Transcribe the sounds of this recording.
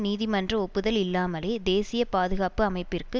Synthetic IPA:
niːðimɐndrɐɔpːɯðɐlɪlːaːmɐleːd̪eːsɪjɐpaːðɯɣaːpɯɐmɐɪpːɪrkɯ

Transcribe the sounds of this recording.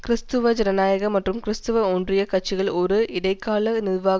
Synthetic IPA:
kɪɾɪst̪ɯʋɐd͡ʒɛɾɐnaːjɐɣɐmɐʈrɯmkɪɾɪst̪ɯʋɐondrɪjɐkɐʈ̚t͡ʃɪɣɐɭɔɾɯɪɽɐɪkːaːlɐnɪðʋaː

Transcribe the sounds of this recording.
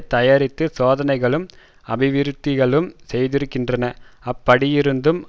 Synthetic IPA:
t̪ɐjaːɾɪt̪ːɯsoːðɐnɐɪɣɐɭɯm | ɐbɪʋɪɾɯt̪ːɪɣɐɭɯmsɛjðɪɾɯkːɪndrɐnɐɐpːɐɽɪjɪɾɯnd̪ɯm

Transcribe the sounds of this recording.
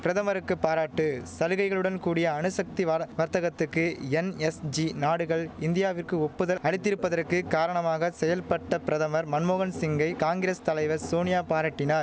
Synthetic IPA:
pɪɾɐðɐmɐɾɯkːɯpːaːɾaːʈːɯsɐlɯɣɐɪɣɐɭɯɽɐnkuːɽɪjɐːɳɯsɐk̚t̪iʋɐɾt̪ɐɣɐt̪ːɯkːɯɛnɛsd͡ʒinaːɽɯɣɐɭɪnd̪ɪjaːʋɪrkɯɔpːɯðɐlɐɽɪt̪ːɪɾɯpːɐðɐrkɯkaːɾɐɳɐmaːɣɐsɛjɐlpɐʈːɐpɪɾɐðɐmɐɾmɐnmoːɣɐnsɪŋɡɐɪkaːŋɡɪɾeːst̪ɐlɐɪʋɐɾsoːnɪjaːpaːɾaːʈːɪnɐɾ

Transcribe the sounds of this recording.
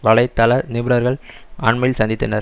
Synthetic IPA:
ʋɐɭɐɪt̪ːɐlɐnɪʋɯɾɐɾɣɐɭ | aːɳmɐɪjɪlsɐnd̪ɪt̪ːɐnɐɾ

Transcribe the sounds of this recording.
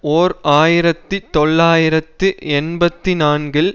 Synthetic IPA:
oːɾaːjɪɾɐt̪ːɯt̪ɔɭːaːjɪɾɐt̪ːɯɛnbɐt̪ːinaːnɡɪl

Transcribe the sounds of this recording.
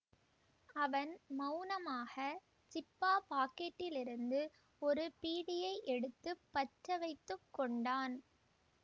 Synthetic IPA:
ɐʋɐnmɐʊnɐmaːɣɐ | t͡ʃɪpːaːpaːkeːʈːɪlɪɾɯnd̪ɯ | ɔɾɯpiːɽɪjɐɪʔɛɽɯt̪ːɯpːɐʈɾɐʋɐɪt̪ːɯkːɔɳɖaːn

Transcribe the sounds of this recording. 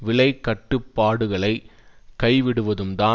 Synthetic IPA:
ʋɪlɐɪkːɐʈːɯpːaːɽɯɣɐɭɐɪkɐɪʋɪɽɯʋɐðɯmt̪aː

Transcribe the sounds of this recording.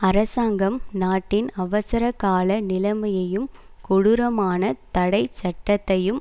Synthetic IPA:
ɐɾɐsaːŋɡɐmnaːʈːɪnɐʋɐsɐɾɐkːaːlɐnɪlɐmɐjɐjɯm | kʊɽɯɾɐmaːnɐt̪ɐɽɐɪt͡ʃːɐʈːɐt̪ːɐjɯm

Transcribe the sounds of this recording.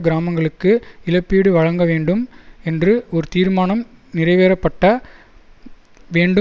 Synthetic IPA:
ɡɪɾaːmɐŋɡɐɭɯkːɯɪlɐpːiːɽɯʋɐɻɐŋɡɐʋeːɳɖɯmɛndrɯɔɾɯt̪iːɾmaːnɐm | nɪrɐɪʋeːɾɐpːɐʈːɐ | ʋeːɳɖɯ

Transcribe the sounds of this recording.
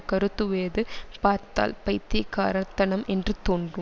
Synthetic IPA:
kɐɾɯt̪ːɯʋeːðɯpaːɾt̪a̰ːlpɐjt̪ːɪkːa̰ːɾɐt̪ːɐnɐmʔɛndrɯt̪oːndrɯ

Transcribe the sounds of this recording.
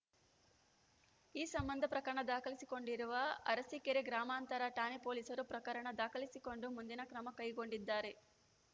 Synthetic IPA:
iːsɐmbɐnd̪ʱɐpɾɐkɐɾɐɳɐd̪aːkɐlisiko̞ɳɖiɾuʋɐɐɾɐsikeɾeɡɾaːmaːnt̪ɐɾɐʈaːnipoːlisɐɾupɾɐkɐɾɐɳɐd̪aːkɐlisiko̞ɳɖumund̪inɐkɾɐmɐkɐjɡo̞ɳɖid̪ːaːɾe̞

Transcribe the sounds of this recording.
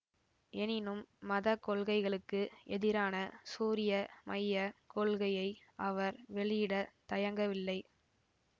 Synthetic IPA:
ɛnɪnɯmːɐðɐkːɔɭɣɐɪɣɐɭɯkːɯʔɛðɪɾaːnɐsuːɾɪjɐmʔɐjːɐkɔɭɣɐjɐɪʔɐʋɐɾʋɛɭɪjɪɽɐt̪ɐjɐŋɡɐʋɪlːɐɪ

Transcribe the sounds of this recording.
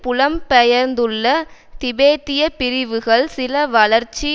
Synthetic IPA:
pʊlɐmpɛjɐɾnd̪ɯɭːɐt̪ɪbeːt̪ɪjɐpɪɾɪʋɯɣɐɭsɪlɐʋɐlɐɾt͡ʃːi

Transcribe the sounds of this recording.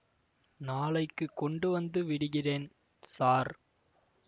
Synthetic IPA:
naːɭɐɪkːɯkːɔɳɖɯʋɐnd̪ɯʋɪɽɯɣɪreːn | saːɾ

